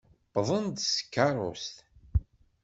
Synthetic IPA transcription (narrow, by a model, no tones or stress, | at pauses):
bðˤənd̪sə̥kːɑɾˤo̰st̪